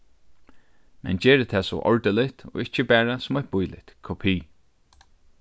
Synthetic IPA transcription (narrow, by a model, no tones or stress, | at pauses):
mɛ̰nd͡ʒɛːɹət̪ʰɛːsɔ̰ʔɔ̰ɹt̪əlɪht̪ɔ̰ɪht͡ʃːəbæːɹasʊmɔjt̪̚bʊjlɪ̰t̪kʰɔpʰiː